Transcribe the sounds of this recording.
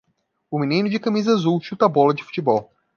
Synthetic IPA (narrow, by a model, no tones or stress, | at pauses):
ʊmĩnĩnʊd͡ʒɪkɐmizɐazuʃut̪ɐbɔlɐd͡ʒɪfu̥t͡ʃibɔw